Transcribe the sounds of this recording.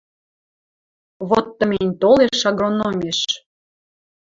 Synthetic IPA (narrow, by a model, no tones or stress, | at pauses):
βot̪ːə̆menʲt̪oleʃɑɣronomʲeʃ